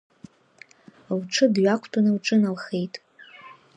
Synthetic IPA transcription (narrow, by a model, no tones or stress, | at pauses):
lʈ͡ʂʰɨdɥʷakʷʰtʰʼanɨlʈ͡ʂʼɨnalχe̞jtʼ